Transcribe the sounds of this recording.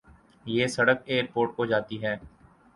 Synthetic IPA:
jeːsəɽək̚eːəɾpoːɾʈkoːd͡ʒaːt̪iɦɛː

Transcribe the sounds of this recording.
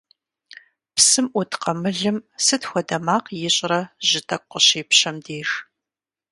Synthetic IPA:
psɨmʔʊtʰqɐmɨɮɨmsɨtxʷɔdɐmaːqjɪɕʼrɐʒɪtʰɐkʷʼːʊɕeːpɕɐmdeːx

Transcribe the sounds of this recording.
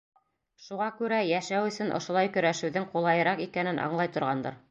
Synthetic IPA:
ʃuʁɑkʉɾæjæʃæwɵ̆sɵnʔŏ̰ʃŏlˠɑjkɵ̆ɾæʃɘ̆wðɘŋqulˠɑjɤ̆ɾɑqikænɘnʔɑ̰ɴlˠɑjt̪ŏɾʁɑnd̪ɤ̰ɾ

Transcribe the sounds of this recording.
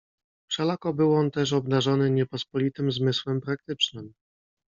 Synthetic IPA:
fʂɛlakɔbɘwɔnt̪ɛʂ̬ɔbd̪aʐɔnɘɲɛpɔspɔlʲit̪ɘmzmɘswɛmpɾak̚t̪ɘt͡ʂnɘm

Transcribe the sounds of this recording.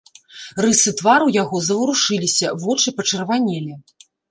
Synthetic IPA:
rɨsɨt̪vaɾujaɣɔzɐwɾuʂɨlʲisʲɐvɔt͡ʂɨpɐt͡ʂɐrvanʲɛlʲɛ

